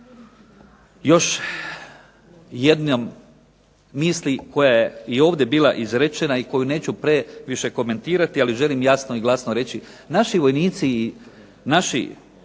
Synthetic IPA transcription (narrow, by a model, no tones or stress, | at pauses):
jo̞ʃ | je̞d̪nomː | iːsliko̞jajeio̞ːʋd̪ʲje̞biːla̰ʔizɾe̞t͡ʃe̞naiko̞june̞ːt͡ɕupɾe̞ʋiʃe̞ko̞me̞nt̪iːɾat̪ialiʒe̞limjasno̞iɡlˠasnoɾe̞t͡ɕi | naʃiʋo̞jniːt̪siː | naʃḭ